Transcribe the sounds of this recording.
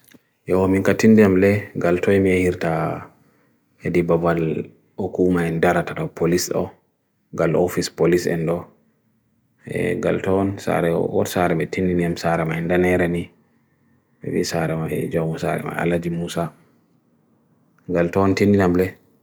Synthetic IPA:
jɔwɔmiŋkatindiamlɛɡaltɔmiɛhiɾta | hedibabal | okumaɛndaɾataɗɔwpʰolisɗɔ̰ | ɡalofispolisɛ̰ndɔ | ɛ̰ɡa̰ltɔnsa̰ɾɛwɔ̰tsaɾɛmɛtindiniamsaɾɛmaɛndanɛɾani | ɛ̰wḭsaɾɛmaɛ̰d͡ʒawmusa̰ɾɛ̰ma̰a̰lad͡ʒimusa | ɡaltɔntindinamlɛ

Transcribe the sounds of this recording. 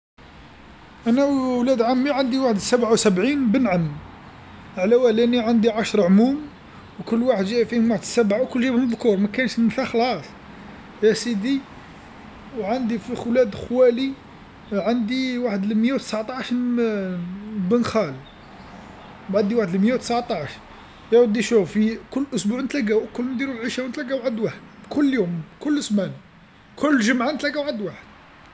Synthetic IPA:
ʔænæwlæd̪ʕamːiʕənd̪iwaħəd̪əsæbʕawsæbʕinbənʕən | ʕlæwælæniʕənd̪iʕɑʃɾˤʕmum | wkʊlːwaħəd̪ʒiʔfihʊmwaħəd̪əsæbʕawkʊlːʒæbhʊmðkuɾˤmækænʃfæxlɑsˤ | jæsid̪i | wʕənd̪ifixwlæd̪xwæli | ʕənd̪iwaħəd̪əlməjæwt̪əsʕt̪ˤɑʃ | bənxæl | bʕad̪iwaħəd̪əlməjːæwt̪əsʕt̪ˤɑʕʃ | jæwd̪ːiʃufikʊlːʔʊsbuʕnt̪læɡæwkʊlːmd̪iɾulʕiʃæwnt̪læɡæwʕəd̪waħəd̪kʊlːjumkʊlːəsmæn | kʰʊlːʒəmʕant̪læɡæwʕəd̪waħəd̪̥

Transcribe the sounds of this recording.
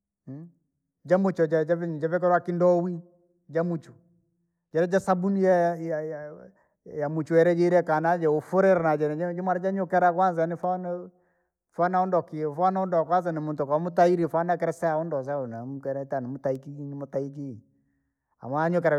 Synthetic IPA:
d͡ʒamut͡ʃɔd͡ʒad͡ʒad͡ʒavɛk̬ɛɾwakindɔwi | d͡ʒamut͡ʃu | d͡ʒɛɾɛd͡ʒasabunijajaj | jamut͡ʃuɛɾɛd͡ʒɛiɾɛkanad͡ʒɛufuɾɛɾɛnad͡ʒɛnɛd͡ʒɛmwaɾad͡ʒaɲɔkɛɾakwanzanifan | fanaɔndɔkifanaɔndɔkwanzanimuntɔkaamutaiɾifanakɛɾɛsɛaɔndɔzanamukɛɾɛtanɛmutaikiinimutaiki | a̰maaɲɔk̬ɛɾa

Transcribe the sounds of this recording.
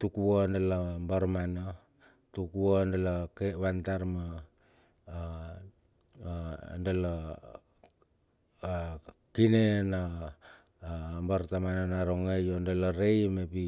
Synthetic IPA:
tukuondelambaɾmana | tukuondelakeβantaɾma | ndela | kinena | mbaɾtamanonaɾoŋejondelaɾejmepi

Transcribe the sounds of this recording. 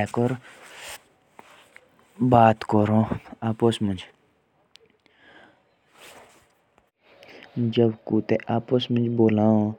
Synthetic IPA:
ɛːkəɾ | baːt̪kəɾõːaːposmə̃nd͡ʒ | d͡ʒəbkuːt̪eʔaːposmənd͡ʒboːlaːo

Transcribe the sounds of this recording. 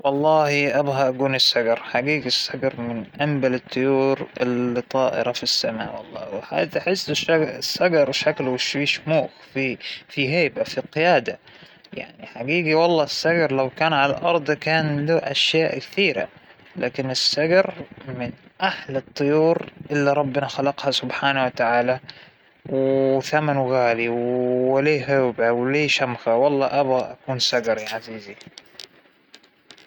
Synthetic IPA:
wɑlˤːɑːhiʔabhaʔaɡuːnɪsːaɡɑɾˤħaɡiːɡisːaɡɑɾˤmɪnʔambalɪt̪ˤːʊjuːɾɪlːit̪ˤɑːʔɪ̰ɾɑfisːama̰ːʔwɑlˤːɑ̰ːwħa̰t̪aħɪsːɪʃaɪsːaɡɑɾˤʃaklwɪʃwiːʃmuːxfifiɦeːbafiqɪjaːd̪a | ja̰ʕniħaɡiːɡiwɑlˤːɑːɪsːaɡɑɾˤlawkaːnʕalalʔɑɾˤd̪ˤkaːnluːʔaʃjaːʔkθiːɾa̰ | la̰ːkɪnɪsːaɡɑɾmɪnʔaħlɨt̪ˤːɨjuːɾʔɪlːiɾˤɑbːɪnaxalɑqhasʊbħaːnawat̪aʕaːla | wθamanwɪɣaːliwleːɦʊbʕawleːʃamxawɑlˤːɑːʔabɣaʔakuːnsaɡɑɾˤʕaziːzi

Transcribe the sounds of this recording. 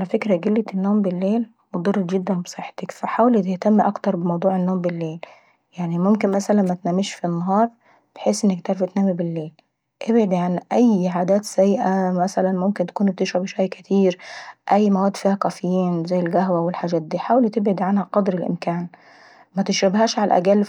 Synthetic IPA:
ʔʔalæfekɾæɡelːet̪enːoːmbɪlːeːl | mod̪ˤɑrːˤɑɡed̪ːænbe̥sˤeħːe̥t̪ekfæħaːwlit̪eht̪æmːʔɑkt̪ɑɾˤbemɑwd̪ˤuːʕenːoːmbelːeːl | jaʕnimomkenmæsælænmæt̪næːmeʃfinːɑɦɑːɾˤ | b̥eħeːsʔenːæk̚t̪æɾˤfɪt̪næːmibɪlːeːl | ʔebʕed̪iʕanʔæjːʕaːd̪æːt̪sæjːʔæmæsælænmomkent̪ḁkuːnb̚t̪ɪʃɾɪbʃwæjkæt̪ʰiːɾʔæjːmæwæːd̪ːfiːhæqɑfejːiːnzæjːɪlɡæɦwæwɪlħaːd͡ʒæːt̪̚d̪iːħaːwælit̪ebʕed̪iʕanhæqɑd̪ɾɪlʔɪ̰mkæːn | mæt̪ɪʃɾæbhæːʃʕalʔæ̰ɡælː

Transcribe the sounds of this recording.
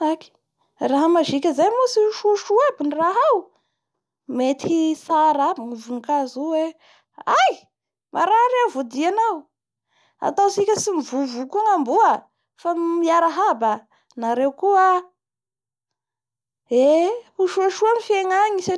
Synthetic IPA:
aki̥ | raɦəmaʒikʲəzajmosiuʃuaʃuabiniraɦaw | met̪ʰisaɾabiŋivuŋikazuwe | aj | maɾaɾewvod̪ianaw | a̰t̪awsikʲəsimivuvukuaŋambuə | famiaɾaɦaba | naɾewkua | euʃuaʃuamifeŋaɲisa

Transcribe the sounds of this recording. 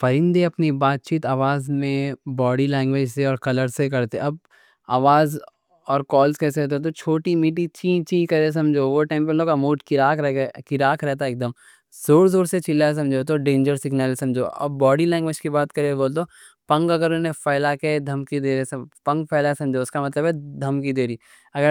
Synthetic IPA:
fɐɾɪ̃nd̪eɐpnibaːt̪̚t͡ʃiːt̪aːʋaːzmẽbɔːɖilɛ̃ːŋɡʋeːd͡ʒseɔːɾkɐləɾsekɐɾt̪ẽɐb̚ | aːʋaːz | ɔːɾkɔːlskɛːseɦoːt̪̬et̪ot͡ʃʰoːʈimiːʈ̬it͡ʃĩt͡ʃĩːkɐɾes̬ɐ̃md͡ʒʱoʋoʈãːmpemloːkamoːʈkɪɾaːkkɪɾaːkʰɾɛɦt̪aeːk̚d̪əm | z̥oːɾzoːɾset͡ʃɪlːas̬ɐ̃md͡ʒʱot̪̬oɖẽːnd͡ʒəɾsɪɡnaːlsɐ̃md͡ʒʱo̰ːɐ̰bːɔːɖilɛ̃ːŋɡʋeːd͡ʒkibaːt̪kɐɾeboːlt̪o | pɐ̃ŋɡɐɡəɾʊnẽpɐːɪlaked̪ʱɐmkid̪eːɾesɐpɐ̃ŋɡpʰɛːlasɐ̃md͡ʒʱoʊskamɐt̪ləbɦɛd̪ʱɐmkid̪eːɾiː | ɐɡəɾ

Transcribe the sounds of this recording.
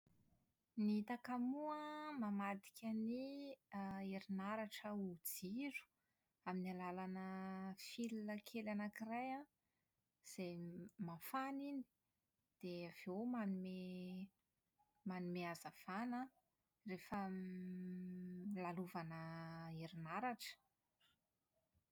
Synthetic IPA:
niit̪akamuəmamad̪i̥kʲʰani | eɾinaɾaʈ͡ʂəud͡ziɾu̥ | aminialalanəfilinəkʰelanakiraja | z̥ejmafanini̥ | d̪̥eav̥ewmanume | manumeazav̥ana | refə | laluvanəeɾinaɾaʈ͡ʂə̥

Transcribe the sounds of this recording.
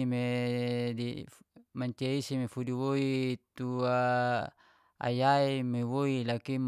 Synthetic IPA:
ime | dimaɲt͡ʃeisimefudiwoit̪ua | a̰jaimewoilakim

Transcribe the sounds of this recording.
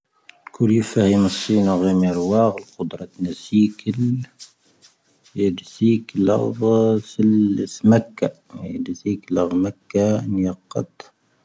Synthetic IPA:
lkʰuɾifæhiməsˤːinaɣimiɾwɑɣlqʊd̪ɾˤɑt̪næsikəl | jəd̪ziklɑ̰ɣsəlsmækːa | jə̰d̪ziklɑɣmakːanjɑqːɑ̰t̪

